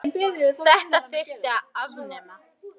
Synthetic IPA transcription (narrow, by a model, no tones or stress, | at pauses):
θɛht̪asɪɾt̪aav